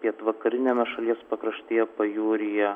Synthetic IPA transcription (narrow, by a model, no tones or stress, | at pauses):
pʲiɛt̪ʋɐkɐɾʲɪnʲeːmʲɛʃɐlʲiɛspɐkɾɐʃʲt̪ʲiːjɛpɐjuːɾʲɪjɛ